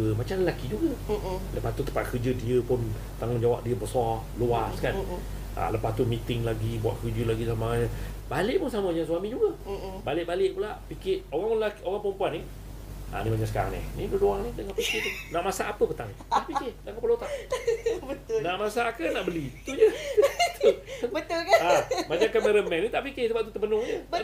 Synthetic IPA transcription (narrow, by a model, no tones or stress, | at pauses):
əmat͡ʃamləlakid͡ʒuɡələpast̪ut̪ə̥pat̪̚kərd͡ʒədiəpʊn | t̪aŋʊnd͡ʒawa̰p̚diəbəsɔ | luaskan | ʔa̰ləpast̪umit̪ɪŋlaɡibua̰ʔ̪̚kərd͡ʒəlaɡisamaŋaɲəbalɪʔpʊnsaməjaŋsuamĩd͡ʒuɡəbalɪʔ̚balɪʔpulaʔpikɪʔoɣaŋlaʔoɣaŋpəɾəmpuanɪ | ʔa̰nimat͡ʃasə̥ka̰ɾa̰ŋnɪ̰hniduduaŋnɪdəŋãnpikit̪unaʔmasaʔːpəpət̪aŋ | ahpikɪhdaŋkapəlot̪aʔbət̪ʊnaʔmasakənaʔbəlit̪ud͡ʒət̪ʰobət̪ʊlkaamat͡ʃaŋkaməɾəmɛ̃nit̪aʔpikɪhsəbap̚t̪ut̪əbənʊŋd͡ʒə